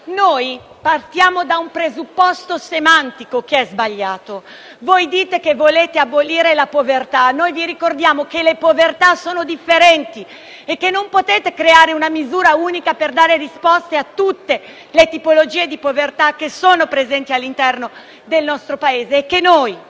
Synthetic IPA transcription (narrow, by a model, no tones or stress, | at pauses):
noːj | part̪jaːmod̪aumpɾezupːɔst̪osemant̪ikokeɛzbaʎːaːt̪o | vojd̪iːt̪ekevoleːt̪eabːoliːɾelapovert̪anojviɾikord̪jaːmokelepovert̪asoːnod̪ifːeɾɛnt̪i | ekːenːompot̪eːt̪ekɾeaːɾeunamizuːɾauːnikaperd̪aːɾerispɔst̪eat̪ːut̪ːe | let̪ipolod͡ʒiːed̪ipovert̪ak̟ːesoːnopɾezɛnt̪ialːint̪ɛrno | d̪elnɔst̪ɾopaeːzeːkːenoj